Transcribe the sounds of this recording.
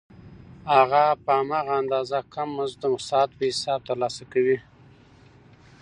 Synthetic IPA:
haɣapəamɑɣaand̪ɑzakʰamːanzd̪əmʊsɑt̪̚pəhɪsɑb̚t̪əɾlɑsakawi

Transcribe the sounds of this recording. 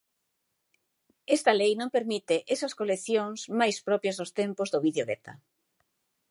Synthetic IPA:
est̪ɐlejnõŋpeɾmit̪ɪʔesɐskoleθjoŋsmajspɾɔpjɐzðʊst̪empʊzðoβiðjoɣet̪a̰

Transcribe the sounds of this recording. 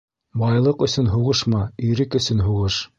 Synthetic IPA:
bɑjlˠɤqɵ̆sɵnɦuʁɤʃmɑɵ̆jɾɘkɵ̆sɵnɦuʁɤʃ

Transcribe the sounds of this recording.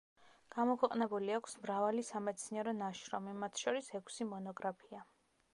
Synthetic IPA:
ɡ̥amɔkʰwɛqʼnɛbuliakʰsmɾavalisamɛt̪sʰniɛɾɔnaʃɾɔmimat̪ʰʃɔɾisɛkʷʰsimɔnɔɡɾapʰia

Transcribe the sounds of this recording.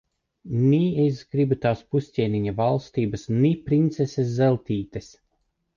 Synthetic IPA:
nʲiesɡɾibut̪aːspusʲtʲiːniɲavalˠst̪iːbɐsnipɾint̪sesʲes̬zɛlʲˠt̪iːt̪es

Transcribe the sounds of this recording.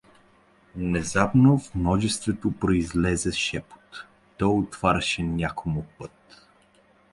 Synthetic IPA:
nɛzabnovmnɔʒɛst̪vɛt̪opɾoizlɛzɛʃɛpo̥t̪ː | ɔjot̪v̥aɾʲɛʃɛnʲakʰomopɤt̪

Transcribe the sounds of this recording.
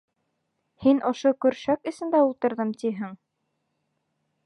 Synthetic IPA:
hinŏʃokɵ̆ɾʃækɘ̆sɘ̆nd̪æulˠt̪ɤ̆ɾðɤmt̪iɦɘŋ

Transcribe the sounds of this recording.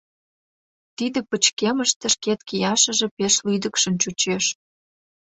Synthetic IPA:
t̪id̪ĕpət͡ɕkeməʃt̪ə̆ʃket̪kijɑʃə̆ʒĕpeʃlyd̪ə̆kʃə̆mt͡ɕut͡ɕeʃ

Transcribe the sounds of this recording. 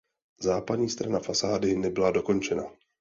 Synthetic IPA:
zaːpadɲiːst̪ɾanafasaːdɪnɛbɪlado̞ko̞nt͡ʃɛna

